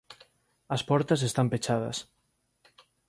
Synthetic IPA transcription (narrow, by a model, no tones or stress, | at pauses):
ɐspɔɾt̪ɐs̬est̪ampet͡ʃaðɐ̰s